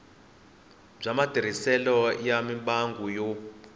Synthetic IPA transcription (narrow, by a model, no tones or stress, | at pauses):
b͡ʐamad̥ʱiɾ̤isɛlɔjamimɓaŋɡujɔ